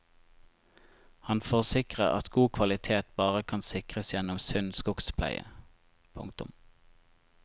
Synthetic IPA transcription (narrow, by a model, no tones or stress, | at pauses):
hɑnfoːʁsɪkʁəʔɑ̰t̪ɡuːkʰʋɑlɪt̪ʰeːt̪bɑːʁəkʰɑnsɪkʁəsjɛnʊmsʏnskʊkspʰlæ̰ɪə̰ | pʰʊ̰ŋkt̪ʊ̰m